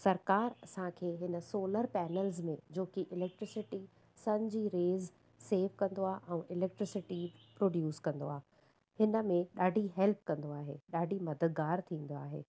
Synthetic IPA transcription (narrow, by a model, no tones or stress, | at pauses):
sɐɾkaːɾɐsãkʰeːɦɪnə̆soːləɾpɛːnəlzmẽd͡ʑoːkiʔɪlɛk̚ʈɾɪsɪʈi | sɐɲd͡ʑiɾeːz | seːʋkɐ̃nd̪oaːɦʔɛ̃ːʔɪlɛːk̚ʈɾɪsɪʈipɾoːɖjuːskɐ̃nd̪o̰aː | hɪnə̆mẽɗaːɖʱiɦɛlp̚kɐ̃nd̪oaːɦḛːɗaːɖʱimɐd̪ət̪̚ɡaːɾt̪ʰĩːn̆d̪oaːɦḛː